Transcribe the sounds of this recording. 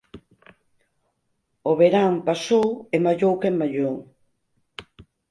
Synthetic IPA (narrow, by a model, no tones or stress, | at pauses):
oβeɾaŋpasowemaʎowkemmːaʎow